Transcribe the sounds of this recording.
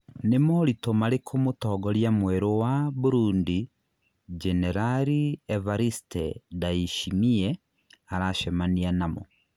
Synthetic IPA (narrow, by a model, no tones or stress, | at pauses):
nemolitomalekʰomotɔːɡɔɾjamwɛɾowaβuɾuːndi | d͡ʒɛnɛɾaɾievaɾistɛdaiʃimiɛ | aɾaʃɛmanianamo̰